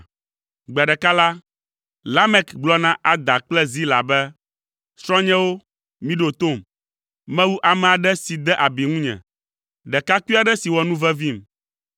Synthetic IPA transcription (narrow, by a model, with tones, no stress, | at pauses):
ɡ͡ba˨ɖɛ˨ka˦la˦ | la˦mɛ˦kɡ͡blɔ˦nã˦ʔa˨d̪a˨k͡plɛ˦zi˦la̰˨bɛ˦ | sɾɔ̃˦ɲɛ̃˦wo˦ | mĩ˦ɖo˨t̪o˦˨m | mɛ̃˦wu˦ʔa˨mɛ̃˨a˨ɖɛ˦si˨d̪ɛ˦ʔa˨bi˨ŋũ˦ɲɛ̰̃˨ | ɖɛ˨ka˦ki˦a˨ɖɛ˦si˨wɔ˨nũ˦vɛ˦vi˦m